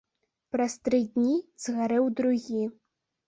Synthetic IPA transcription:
pɾast̪ɾɨd̪ʲnʲizɣaɾɛwd̪ɾuɣʲi

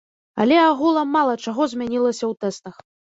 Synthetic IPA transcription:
a̰lʲɛaɣulˠɐmalˠɐt͡ʂaɣɔzʲmʲanʲilˠɐsʲɐwt̪ɛst̪ɐx

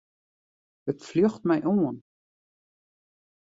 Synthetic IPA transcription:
ətfløxtmɛjʔoən

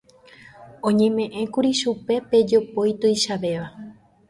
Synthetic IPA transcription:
õɲẽ̞mẽ̞ʔẽ̞kuɾiʃupe̞pe̞d͡ʒo̞po̞jt̪ojʃaʋe̞ʋa

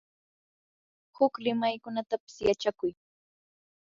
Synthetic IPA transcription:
hʊklɪmajkʊnat̪apɪ̥sjat͡ʃakʊj

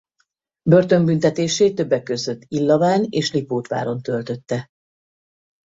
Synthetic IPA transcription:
børt̪ø̞mbynt̪ɛt̪eːʃeːt̪ø̞bːɛkːø̞zø̞t̪ːilːɒvaːneːʃlipoːt̪ʋa̰ːɾo̞nt̪ø̞lt̪ø̞t̪ːɛ

